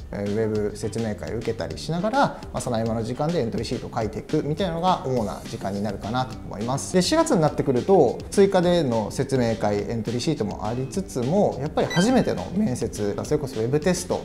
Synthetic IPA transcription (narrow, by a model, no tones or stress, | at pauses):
βe̞bɯ̟se̞t͡sɨme̞ːka̰ḭɯ̟ke̞t̪a̰ɾʲḭɕinaɡaɾa | masonaimano̞ʑikãnd̪e̞ent̪o̞ɾʲiɕiːt̪o̞kait̪e̞ikɯ̟mʲit̪ainanoɡaʔomo̞na̰ʑikãɲ̟ːinaɾɯ̟kanat̪omo̞̰imasɨ̥d̪e̞ɕiɡat͡sɨɲ̟inat̪ːe̞kɯ̟ɾɯ̟t̪o̞t͡sɨikad̪e̞no̞se̞t͡sɨme̞ːkaiẽ̞nt̪o̞ɾʲiɕiːt̪o̞mo̞̰ʔa̰ɾʲit͡sɨt͡sɨmo̞japːaɾʲihaʑime̞t̪eno̞̰mẽ̞ɰ̃se̞t͡sɨɡa̰so̞ɾe̞ko̞so̞βe̞bɯ̟t̪e̞sɨ̥t̪o̞̰